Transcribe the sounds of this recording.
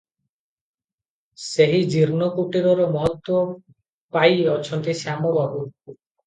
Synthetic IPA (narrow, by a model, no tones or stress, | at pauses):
seɦid͡ʒiɾnɔkuʈiɾɔɾɔmɔɦɔt̪wɔ | pajɔt͡ʃʰɔnt̪isamɔbabu